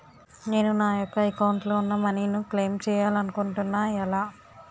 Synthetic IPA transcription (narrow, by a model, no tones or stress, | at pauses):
ne̞ːnunaːjɔkːɐɛkɐwɳʈloːunːɐmɐninukle̞ːmt͡ʃɛːjaːlɐnukuɳʈunːaːɛlaː